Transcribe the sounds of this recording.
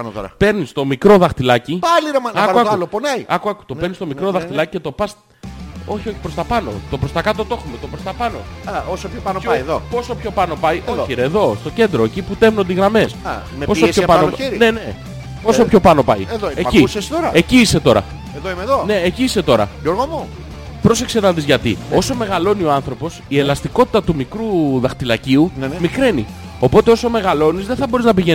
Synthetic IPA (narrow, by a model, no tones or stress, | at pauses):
ɐnoɾɐpe̞ɾnist̪o̞mikɾo̞ðɐxt̪ilɐcipɐliɾomɐɐkɐɐɐloponɐjɐkuɐku̥t̪o̞eɾnist̪o̞mikɾo̞ðɐxt̪ilɐci̥ce̞t̪o̞pɐs | o̞çio̞çi̥pɾo̞st̪ɐpɐno̞̰t̪o̞pɾo̞st̪ɐkɐt̪o̞t̪o̞xumet̪o̞pɾo̞st̪ɐpɐno̞̰osoopɐnðopo̞so̞pço̞pɐno̞pɐjʔoiɾeːðo̞st̪o̞ce̞nd̪ɾo̞eciput̪e̞vnond̪iɣɾɐme̞sɐ | mpososçopɐnoiɾine̞ne | po̞sopço̞pɐno̞pɐjeðoecisest̪oɾɐeciise̞t̪o̞ɾɐ̰ | eðoimeðone̞ːciise̞t̪o̞ɾɐ̰ʝoɾɣomu | pɾo̞s̬e̞ksenɐðizʝɐt̪ḭo̞so̞me̞ɣɐlo̞nio̞ɐnθɾo̞po̞sie̞lɐst̪iko̞t̪i̥t̪ɐt̪umikɾuðɐxt̪ilɐciunmikɾenḭ | o̞po̞t̪e̞o̞so̞me̞ɣɐlo̞nizðe̞θɐbo̞ɾiznɐpiʝe